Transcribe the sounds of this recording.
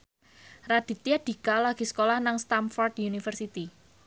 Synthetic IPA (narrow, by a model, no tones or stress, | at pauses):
rad̥i̤t̪iad̥i̤kalaɡ̥i̤sə̥kolahnaŋst̪amfɔrd̪junifərsit̪i